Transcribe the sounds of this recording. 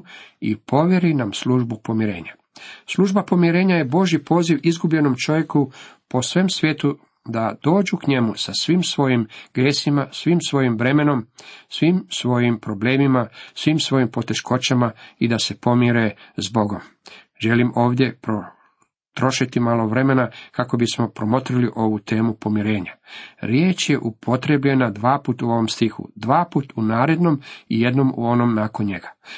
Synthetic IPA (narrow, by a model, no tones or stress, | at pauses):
ḭpo̞ʋje̞ɾinamsluːʒbupo̞miɾe̞̰ːɲa | slˠuʒbapo̞miɾe̞ːɲajebo̞ʒjipo̞ːziʋizɡubʎe̞no̞mt͡ʃo̞ʋje̞kupo̞sʋemsʋʲjeːt̪u | d̪ad̪̥o̞ːd͡ʑukɲe̞musasʋiːmsʋo̞jimɡ̥ɾjeːsimasʋiːmsʋo̞jimʋɾe̞me̞no̞msʋimsʋo̞jimpɾo̞ble̞ːmimasʋimsʋo̞jimpo̞t̪e̞ʃkʰo̞t͡ɕamaid̪ase̞po̞mjiɾe̞zbo̞ɡo̞m | ʒe̞limʔo̞ːʋd̪je̞pɾo | t̪ɾo̞ʃit̪imalˠo̞ʋɾe̞me̞nakako̞bismo̞pɾo̞mo̞t̪ɾiliʔo̞ʋut̪e̞ːmupo̞miɾe̞ːɲaɾjeːt͡ʃje̞ʔupʰo̞t̪ɾe̞bʎe̞nad̪ʋaːput̪uo̞ʋo̞mst̪ixṵd̪ʋaːpuːt̪unaːɾe̞d̪no̞mije̞d̪no̞mṵo̞no̞mnaːko̞nɲe̞ɡḁ